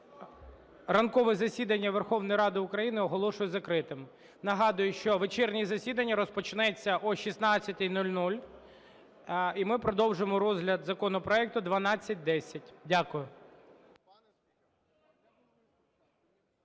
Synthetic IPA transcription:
rɐnkɔʋɛzɐsʲid̪ɐnʲːɐʋerxɔwnɔjiɾɑd̪ɪʊkɾɐjinɪɔɦɔlˠɔʃʊjɛzɐkɾɪt̪ɪm | nɐɦɑd̪ʊjʊʃt͡ʃɔʋet͡ʃɛrnʲizɐsʲid̪ɐnʲːɐɾɔspɔt͡ʃɪnɛt͡sʲːɐʔɔʃisnɑt͡sʲːɐt̪ʲɪjnulʲnulʲ | imɪpɾɔd̪ɔwʒɪmɔɾɔzɦlʲɐd̪zɐkɔnɔpɾɔɛk̚t̪ʊd̪ʋɐnɑt͡sʲːɐt̚ʲd̪ɛsʲɐtʲdʲakʊjʊ

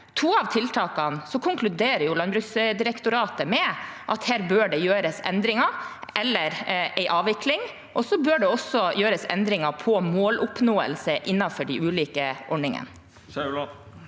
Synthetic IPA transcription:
t̪ʰuːɑʋt̪ʰɪlt̪ʰɑːkɑnsɔkʰʊŋklʉd̪eːɾəjʊlɑnbɾʉːsd̪ɪɾɛkt̪ʊɾɑːt̪əmɛʔɑt̪hæːɾbøːɖɛjøːɾəsɛ̰nd̪ɾɪŋɑʔɛlːəɾʔɛɪʔɑːʋɪklɪŋ | ʔɔsɔbøːɖɛɔsːɔjøːɾəsɛ̰nd̪ɾɪŋɑpʰɔmoːlʔʊpnoːə̰lsəʔɪnːɑfɔɖɛʔʉːliːkəʔɔɳɪŋə̰n

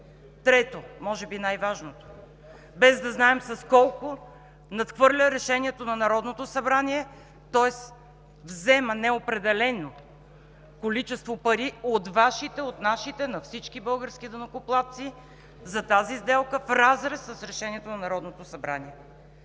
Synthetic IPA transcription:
t̪ɾɛt̪omɔʒɛbinajvaʒnot̪o̥ | bɛzd̪ɐznaɛmsɐskɔlˠkʊ | nɐt̪xvɤɾlʲəɾɛʃɛniɛt̪onɐnɐɾɔd̪not̪osɐbɾaniɛ | t̪ɔɛs | vzɛmənɛopɾɛd̪ɛlɛno | kolit͡ʃɛst̪vopɐɾiot̪vaʃit̪ɛot̪naʃit̪ɛnɐfsit͡ʃkibɤlˠɡəɾsk̟id̪ɐnɐkʊplˠat̪si | zɐt̪azizd̪ɛlˠkəfɾazɾɛsːɐsɾɛʃɛniɛt̪onɐnɐɾɔd̪not̪osɐbɾa̰niɛ

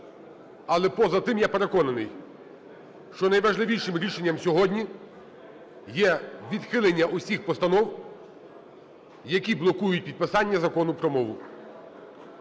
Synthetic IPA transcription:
ɐlˠɛpɔzɐt̪ɪmjape̞ɾekɔnɐnɪj | ʃt͡ʃɔnɐjʋɐʒlˠɪʋʲijʃɪmɾʲiʃenʲːɐmsʲɔɦɔdʲnʲi | jɛʋʲid̪xɪlˠenʲːɐʔʊsʲixpɔst̪ɐnɔw | jɐkʲiblˠɔkujʊt̚ʲpʲid̪̚pɪsɑnʲːɐzɐkɔnʊpɾɔmɔʋʊ

